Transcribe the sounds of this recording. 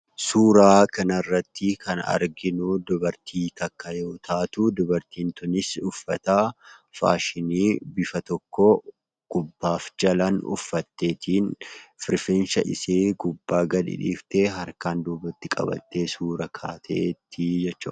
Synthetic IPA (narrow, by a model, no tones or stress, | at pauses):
suːɾaːkɐnɐrːɐt̪ːɪkɐnɐ̰ɾɡɪnʊd̪ɔbɐɾt̪ʰiːt̪ɐkːɐjoːt̪ʰaːt̪ʊd̪ɔbɐɾt̪iːnt̪ʊnɪsʊfːɐt̪afa̰ːʃɪniːbɪfɐt̪ɔkːɔ | ɡ̥ʊbːaːfd͡ʒɐlɐnʊ̰fːɐt̪ːe̞ːt̪ʰiːnfɪɾfeːnʃɐʔɪseːɡʊbːaːɡɐᶑɪ̰ᶑḭːft̪eɦɐɾkaːnd̪uːbɐt̪ːɪkʼɐ̰bɐ̰t̪ːe̞ːsuːɾɐkʰaːt̪ʰḛːt̪ʰːɪd͡ʒɛt͡ʃːʊ̰